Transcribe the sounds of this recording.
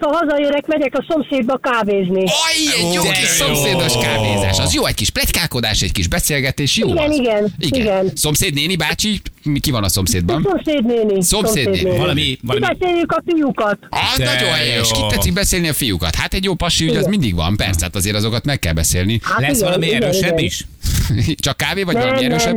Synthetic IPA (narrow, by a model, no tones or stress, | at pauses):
t̪hɒɦɒzɒjøɾɛkmɛɟɛkɒso̞mseːd̪bɒkaːveːzniɒiɛjoːsomseːd̪o̞ʃkaːvḛːza̰ːʃɒzjoːɛɟkiʃplɛckaːko̞d̪aːʃɛɟkiʒbɛseːlɡɛt̪eːʃjoːɡɛniɡɛniɡɛiɡɛnso̞mseːd̪neːnibaːt͡ʃikivɒnɒso̞mseːd̪bɒnomseːd̪neːniso̞mseːd̪eːmibɛseːjːykɒfijukɒt̪ɒznnɒɟohɛɛɾøʃkit̪ːɛtsik̚bɛseːlniɒfijukɒ̰t̪hat̪ɛɟjoːpɒʃiyɟɒzmind̪iɡvɒ̰mpɛ̰rsɛhat̪ɒzeːɾɒzo̞kɒt̪mɛkːɛlbɛsḛːlnialɛsʋɒlɒmiɛøːʃɛiʃ | t͡ʃɒkːaːveːvɒɟɔlɒiɛɾøːʃɛb